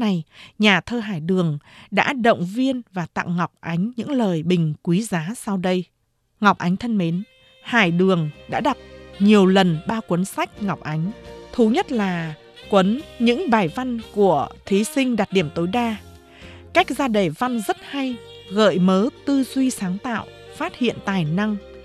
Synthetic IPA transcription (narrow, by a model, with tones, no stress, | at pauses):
na˨˩jɲaː˨˩t̪ʰəː˧ɦaː˧˩jɗɨ˨˩əŋɗa̰ː˧˥ɗə̰˧˨wŋ͡mvi˧ənvaː˨˩t̪a̰ː˧˨wŋɔ˨˩wk͡p̚ʔa˨˦ŋ̟ɲɨ̰˧˥ŋləː˨˩jɓï˨˩ŋ̟kwi˨˦zaː˨˦sa˧wɗə˧j | ŋa˨˩wk͡p̚ʔa˨˦jŋ̟t̪ʰə˧nme˨˦n | ha̰ː˧˩jɗɨ˨˩əŋɗa̰ː˧˥ɗa˨˩t̚ɲi˨˩əwlə˨˩nɓaː˧wkwə˨˦nsa˦˥jk̟̚ŋɔ˨˩wk͡p̚ʔa˨˦jŋ̟t̪ʰu˨˦ɲə˦˥t̚laː˨˩ | kwə˨˦nɲɨ̰˧˥ŋɓaː˨˩jva˧nku˧˩ət̪ʰi˨˦sï˧ŋ̟ɗa˨˩t̚ɗi˧˩əmt̪o˨˦jɗaː˧ | kaː˦˥jk̚zaː˧ɗe˨˩va˧nzə˦˥t̚ha˧j | ɣə̰ː˧˨jməː˨˦t̪ɨ˧zwi˧saː˨˦ŋt̪a̰ː˧˨w | faː˦˥t̚hḭ˧˨ənt̪aː˨˩jna˧ŋ